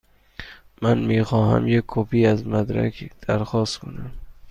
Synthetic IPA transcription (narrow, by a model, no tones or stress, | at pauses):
mænmiːxɒːhæ̰mjekʰːopʰiːæzmæd̪ɾæ̰kʰd̪̥æɾxɒːst̪kʰonæm